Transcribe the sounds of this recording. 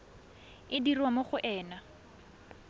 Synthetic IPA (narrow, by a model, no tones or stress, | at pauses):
ɪdirwamoχʊʔɛːna